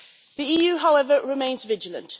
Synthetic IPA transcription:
ðiiːjʉːɦaʊɛvəɹɪmẽɪ̃nzvɪd͡ʒələ̰̃nt

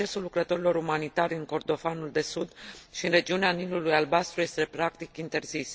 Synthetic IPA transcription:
e̞sulːukɾət̪o̞ɾilo̞ɾumanit̪aɾʲɨŋko̞rd̪o̞fanuld̪e̞sud̪ʃiɨnre̞d͡ʒiuneanilulujalbast̪ɾujest̪e̞pɾakt̪ikint̪e̞rzis

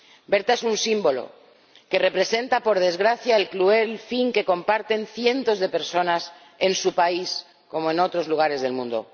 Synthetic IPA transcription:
be̞ɾt̪aesunsimbo̞lo̞̰ | ke̞re̞pɾe̞se̞nt̪apo̞ɾð̞e̞zɣɾaθjaelklue̞lfiŋke̞ko̞mpaɾt̪e̞nθje̞nt̪o̞zðe̞pe̞ɾso̞nas | e̞nsupais | ko̞moẽ̞no̞t̪ɾo̞zluɣ̞aɾe̞zð̞e̞lmũnd̪o̰

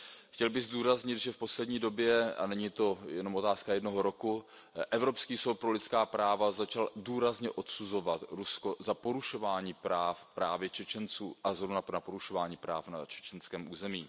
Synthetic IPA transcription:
xcɛlbɪɣzduːɾazɲɪt̪ʒɛfpo̞slɛdɲiːdo̞bjɛa̰nɛɲiːt̪o̞jɛno̞mo̞t̪aːskajɛdno̞ɦoɾo̞ku | ʔɛvɾo̞pskiːsowt̪̚pɾo̞lɪtt͡sskaːpɾaːvazat͡ʃalduːɾazɲɛʔo̞t̪suzo̞vat̪ɾusko̞zapo̞ɾuʃo̞vaːɲiːpɾaːfpɾaːvjɛt͡ʃɛt͡ʃɛnt͡suːʔazɦɾo̞vnanapo̞ɾuʃo̞vaːɲiːpɾa̰ːfna̰t͡ʃɛ̥t͡ʃɛnskɛːmʔuːzɛmiː

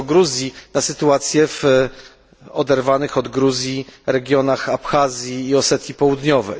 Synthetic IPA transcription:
ɡɾuzʲjinasɘt̪uat̪sʲjɛv̥ | ɔd̪ɛɾvanɘxɔd̪ɡɾuzʲjiɾɛɡʲjɔnaxapxazʲjiːɔsɛt̪ʲjipɔwud̪ɲɔvɛ̰j

